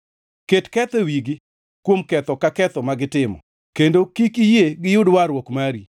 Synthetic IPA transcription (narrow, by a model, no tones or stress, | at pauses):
ketkɛt̪ewiɡi | kwomkɛt̪ɔkakɛt̪ɔmaɡɪtɪmɔ̰ | kendokikijeɡɪjʊdwaɾwokmaɾi